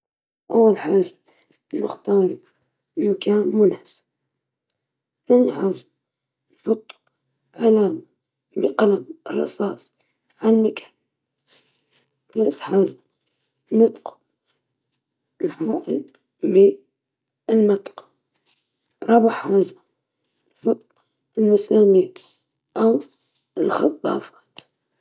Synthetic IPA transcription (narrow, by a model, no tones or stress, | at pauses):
ʔawːalħaːʒa | nɪ̰xt̪ɑːɾˤɪ | ɪmkaːnmʊnaːsb | θaːniħaʒm | nfʊt̪ˤːʊ̥ | ʕalaːma | bɪqalabɨrˤːɑ̰sɑːsˤ | ʕalmakʰḁːn | θalaθħaːza | nɪt̪qʊ̥ | ɪlħaːʔɪl | bi | lmat̪ˤːqɑ̥ | ɾˤɑbaħħaːza | nħʊt̪ˤː | ɪlmasaːmiː | ʔaw | ɪlxɑt̪ˤːɑ̰ːfḁːt̪